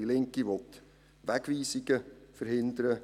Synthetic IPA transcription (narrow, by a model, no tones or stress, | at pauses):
ilɪŋkiʋɔt̪ | ʋæɡʋiːsiɡ̥əfəɾhɪnd̪əɾə